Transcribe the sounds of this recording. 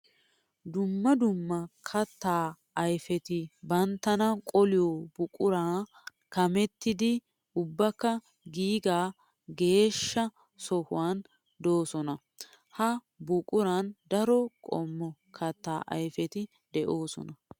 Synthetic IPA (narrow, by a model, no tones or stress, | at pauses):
d̪ʊmːɐd̪ʊmːɐkʰɐt̪ːaː | ɐjfɛt̪ɪbɐnt̪ːɐnɐkʼɔlɪjɔbʊkʼʊɾaː | kɐmɛt̪ːɪd̪ɪ | ʊbːɐkːɐ | ɡiːɡaː | ɡe̞ːʃːɐ | sɔhʊ̰waːn | d̪o̞ːsɔnɐ | hɐ | bʊkʼʊɾɐnd̪ɐɾɔkʼɔ̰mːɔkʰɐt̪ːaːʔɐ̰jfɛt̪ɪ | d̪ɛʔo̞ːsɔ̰nɐ